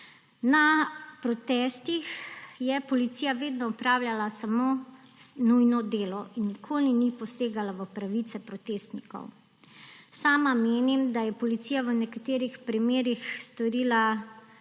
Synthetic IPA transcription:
napɾɔt̪ɛːst̪ixjɛpɔlit̪siːjaʋeːd̪nɔɔpɾaːwlʲjalasamo | nujnɔd̪eːlɔʔinːikʰoːlinipɔseːɡalaʋəpɾaʋit̪sɛpɾɔt̪est̪nikɔ̰w | saːmameːnimd̪ajɛpɔlit̪siːjaʋənɛkat̪eːɾixpɾimeːɾixst̪ɔɾiːla

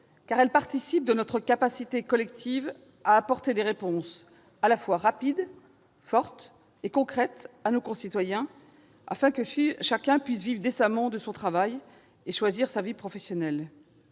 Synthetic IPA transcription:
kaʁɛlpaʁt̪isip̚d̪ənɔt̪χəkapasit̪ekɔlɛkt̪ʰiv | aːpɔʁt̪ed̪eʁepɔ̃s | alafwaʁapid̪ | fɔʁt̪ | ekɔ̃kχɛt̪anokɔ̃sit̪wajɛ̃ | a̰fɛ̃kəʃakʲɛ̃pɥisvivʁd̪esamɑ̃d̪əsɔ̃t̪χavaj | eʃwaziʁsavipχɔfɛsjɔnɛl

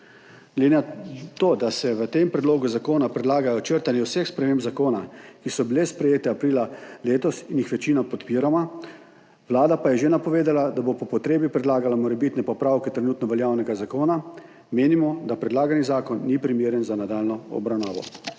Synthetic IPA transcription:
ɡlɛd̪enat̪oːd̪asɛʋət̪empɾɛd̪loːɡuzakoːnapɾɛd̪laːɡajɔt͡ʃəɾt̪anjɛwsexspɾɛmembzakoːnakisɔbilespɾɛjeːt̪ɛapɾiːlaleːt̪ɔsinixʋɛt͡ʃiːnapɔt̪piːɾama | ʋlaːd̪apajɛʒenapɔʋeːd̪alad̪abopɔpɔt̪ɾeːbipɾɛd̪laːɡalamɔɾɛbit̪nɛpɔpɾaːwkɛt̪ɾɛnuːt̪nɔʋɛljaːwnɛɡazakoːna | meːnimɔd̪apɾɛd̪laːɡanizaːkɔnːipɾimjeːɾjənzanad̪aːlnɔɔ̰bɾawnaːʋɔ̰

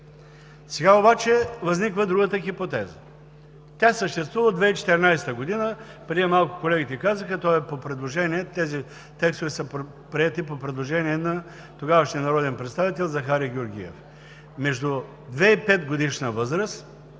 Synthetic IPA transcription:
sɛɡaobat͡ʃɛvɐznikvəd̪ɾuɡət̪əxipot̪ɛzə | t̪ʲasəʃt̪ɛst̪vuvəod̪vɛit͡ʃɛ̥t̪ɛɾʲnajst̪əɡod̪inə | pɾʲɛd̪ʲiɛmalˠkʊ̥kolɛɡʲit̪ɛkazəxət̪ɔɛpopɾɛd̪lˠoʒɛniɛt̪ɛzi | t̪ɛkst̪ovɛsəp | pɾiɛt̪ipopɾɛd̪lˠoʒɛniɛnɐ | t̪oɡavəʃniɛnɐɾɔd̪ɛnpɾɛt̪st̪avit̪ɛlˠzɐxaɾʲiɡʲioɾɡʲḭɛ̰f | mɛʒd̪u | d̪vɛipɛt̪ɡod̪iʃnəvɤzɾəst̪

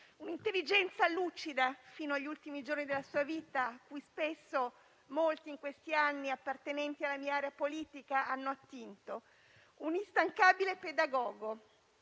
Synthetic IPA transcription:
unint̪elːid͡ʒɛnt̪salut͡ʃid̪afiːnoaʎːult̪imid͡ʒornid̪elasuːaviːt̪aːkːujspesːo | molt̪iːŋkwest̪ianːiapːart̪enɛnt̪ialːamiːaaːɾeapoliːt̪ikaanːoat̪ːint̪o | unist̪aŋkaːbileped̪aɡɔːɡo

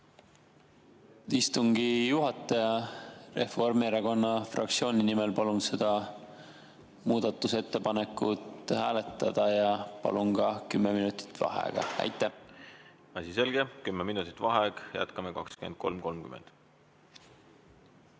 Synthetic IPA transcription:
t̪ist̪uŋɡijuɦɑt̪ːˑɑjɑre̞fo̞rmeɾɑko̞nːɑfrɑ̰k̚t̪sio̞ːnʲinime̞lpɑlunse̞d̪̥ɑ | muːd̪̥ɑt̪ːˑuse̞t̪ːe̞pɑne̞kːˑut̪ˑhæːle̞t̪ːˑɑd̪̥ɑjɑpɑ̰lunɡ̥ɑkymːeminut̪ˑi̥t̪ːˑvɑ̰ɦḛɡ̥ɑ̰æ̰jt̪ˑːæ | ɑsʲise̞lɡ̥e̞kymːeminut̪ːˑi̥t̪ːˑvɑɦeɡjæ̰t̪kɑmekɑkskymḛd̪̥̚ko̞lmko̞lmkymḛnd̪̥

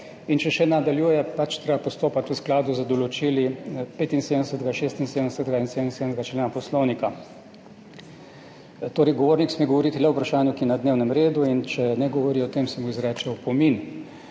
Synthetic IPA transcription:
int͡ʃɛʃɛnad̪aljuːjɛpat͡ʃt̪ɾebapɔst̪oːpat̪əsklaːd̪uzəd̪ɔlɔt͡ʃilipeːt̪insed̪əɛsəɛt̪ɛɡaʃeːst̪insed̪ənɛsɛt̪ɡainsed̪ənseːd̪nzɡat͡ʃlenapɔslownika | t̪oːɾɛjɡɔʋoːɾniksmiɡɔʋɔɾit̪ilɛwpɾaʃaːnjukinad̪neːwnɛmɾeːd̪uint͡ʃɛnɛɡɔʋɔɾiɔt̪eːmsɛmuizɾɛːt͡ʃɛwpɔmin

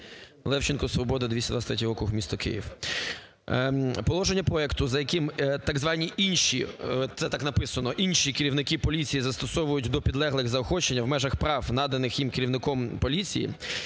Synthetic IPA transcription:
lˠɛwt͡ʃɪnkɔsʋɔbɔd̪ɐd̪ʋʲisʲɐd̪ʋɑt̪ɾɛt̪ʲɔɦɔkʊxmʲist̪ɔkɪ̰jḭw | pɔlˠɔʒenʲːɐpɾɔɛkt̪ʊzɐjɐkɪmt̪ɑɡzʋɑnʲːiʔinʃḭt̪sɛt̪ɑknɐpɪsɐnɔʔinʲʃikeɾʲiwnɪkipɔlʲit͡sʲijizɐst̪ɔsɔʋʊjʊtʲd̪ɔpʲid̪lˠɛɦlˠɪɣzɐɔxɔt͡ʃenʲːɐwmɛʒɐxpɾɑwnɑd̪ɐnɪxjimkeɾʲiʋwnɪkɔmpɔlʲit͡sʲijḭ

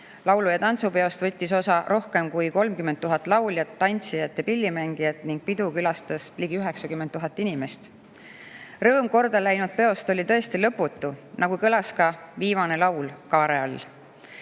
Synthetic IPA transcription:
lɑwlujɑt̪ɑnt̪supe̞o̞st̪vɤt̪ʲːiso̞sɑɾo̞hke̞mkujko̞lmkyment̪ːuɦɑt̪ːˑlɑwljɑt̪ːɑnʲt̪sijɑt̪ːɑpilʲːimæŋɡ̥ijɑt̪ˑniŋɡ̥̚pid̪ukylɑst̪ɑsliːɡ̥iyɦe̞ksɑkymːent̪ːuɦɑt̪ːˑinime̞st̪ | rɤ̞ːmko̞rd̪ɑlæjnud̪̚pe̞o̞st̪o̞lʲit̪ɤ̞est̪ilɤpːut̪ːˑunɑɡ̥ukɤlɑskɑviːmɑne̞lɑwlkɑːɾe̞ɑlː

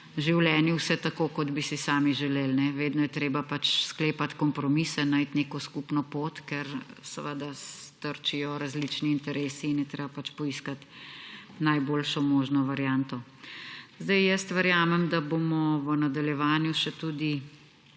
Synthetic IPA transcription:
ʒiwlɛːnjiwsɛt̪akoːkɔd̪bisisaːmiʒɛleːlnɛʋeːd̪nɔjɛt̪ɾeːbapat͡ʃskleːpat̪kɔmpɾɔmisɛnajt̪neːkɔskupnɔpoːt̪kɛɾsəʋəd̪ast̪əɾt͡ʃijɔɾazlit͡ʃniːnt̪ɛɾeːsiːnjɛt̪ɾeːbapat͡ʃpɔiskat̪ | najboːlʃɔmoːʒnɔʋaɾjant̪ɔ | zd̪ajjəst̪ʋəɾjaːmɛmd̪abomɔʋənad̪aljɛʋaːnjuʃɛt̪ud̪i

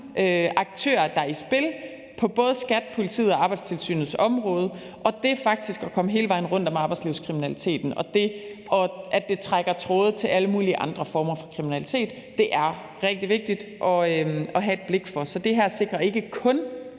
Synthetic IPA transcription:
øʔɑ̈ɡ̥̚t͡sʰø̰ːɐd̥ɑ̈isb̥e̝l | pʰɒ̽b̥ɔ̽ːð̞ˠəsɡ̥æd̥pʰo̝lit͡sʰḭːð̩ˠɒ̽ɑ̈ːb̥ɑ̈ɪd̥st͡sʰe̝lsy̰ːnð̩ˠsɒ̽mʁɔ̽ːð̞ˠə | ʔɒ̽d̥e̝fɑ̈ɡ̥̚d̥isɡ̥ɒkʰɒ̽məɦe̝ːləʋɑ̈ɪn̩ʁɔ̽n̰d̥ɒ̽mɑ̈ːb̥ɑ̈ɪ̥sliʊskʰʁiminælit͡sʰe̝̰ːd̥n̩ɒ̽d̥e̝ʔɒʔædd̥e̝t͡sʰʁaɡ̥ɐt͡sʰʁɔːð̞̩ˠt͡sʰe̝lʔæləmuːliəʔɑ̈nd̥ʁɐfɒːmɐfɒ̽kʰʁiminælit͡sʰe̝̰ːd̥ːe̝ʔæɐ | ʁɛɡ̥̚d̥iʋe̝ɡ̥̚d̥id̥ʔɒ̽øɒ̽ɦæe̝d̥̚b̥le̝ɡ̥fɒ̽sɒ̽d̥e̝ɦæɐ̰se̝ɡ̥ʁɐe̝ɡ̥əkʰɔ̽n

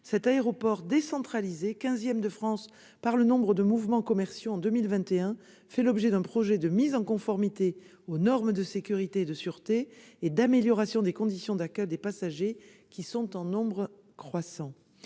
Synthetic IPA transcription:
sɛt̪aeʁɔpɔʁd̪esɑ̃t̪χalizekɛ̃zjɛmd̪əfχɑ̃s | paʁlənɔ̃bʁəd̪əmuvmɑ̃kɔmɛʁsjoɑ̃d̪əmilvɛ̃t̪eɛ̃ | fɛlɔbʒɛd̪ɛ̃pχɔʒɛd̪əmizɑ̃kɔ̃fɔʁmit̪e | onɔʁməd̪əsekʲyʁit̪eːd̪əsyʁt̪eːd̪ameljɔʁasjɔ̃d̪ekɔ̃d̪isjɔ̃d̪akʲœjd̪epasaʒe | kʲisɔ̃t̪ɑ̃nɔ̃bʁə | kχwasɑ̃

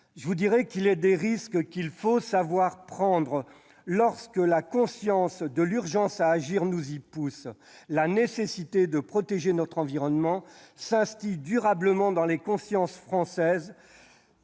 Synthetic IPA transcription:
ʒəvud̪iʁɛkilɛd̪eʁiskkilfosavwaʁpχɑ̃d̪ʁə | lɔʁskəlakɔ̃sjɑ̃sd̪əlyʁʒɑ̃saːʒiʁnuzipus | lanesesit̪ed̪əpχɔt̪eʒenɔt̪χɑ̃viʁɔnmɑ̃sɛ̃st̪id̪yʁabləmɑ̃d̪ɑ̃lekɔ̃sjɑ̃sfχɑ̃sɛz

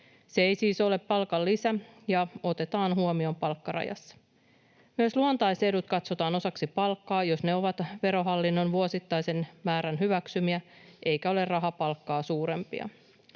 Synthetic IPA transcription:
seejsiːso̞le̞pːɑlkɑlːisæjɑo̞t̪e̞t̪ɑːnɦuomio̞mpɑlkːɑrɑ̰jɑ̰sːɑ̥ | myøsluont̪ɑjse̞dut̪kɑt̪so̞t̪ɑːno̞sɑksipɑlkːɑːjo̞sne̞o̞ʋɑt̪ʋe̞ɾo̞ɦɑlːinːo̞nʋuosit̪ːɑjse̞nmæːɾænɦyʋæksymiæʔe̞jkæo̞le̞rrɑɦɑpɑlkːɑːsuːɾe̞mpḭɑ̰

